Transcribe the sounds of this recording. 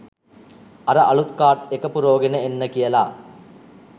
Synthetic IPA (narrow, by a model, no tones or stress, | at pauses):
ɐɾɐʔɐɭut̪kaːʈekɐpuɾoːɡenɐenːɐkijɐla̰ː